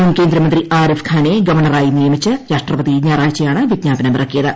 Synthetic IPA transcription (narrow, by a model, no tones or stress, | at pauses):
umke̞ːnd̪ɾɐmɐnd̪riʔaːɾifkʰaːneɡɐʋɐrɳɐraːjinijɐmit͡ɕːɨɾaːʂʈrɐpɐðiɲaːraːt͡ɕːɐjaːɳɨʋiɡɲaːpɐnɐmbirɐkːijɐðɨ